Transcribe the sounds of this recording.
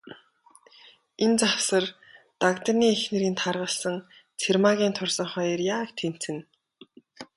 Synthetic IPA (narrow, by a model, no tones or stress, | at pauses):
ent͡sawsə̆r | t̪akt̪ə̆niːexnĕɾiːnt̪ʰarʁə̆ɮsə̆ŋ | t͡sʰermaɣʲiːnt̪ʰʊrsə̆ɴχɔj̆rjaːkt̪ʰen̥t͡sɘ̆n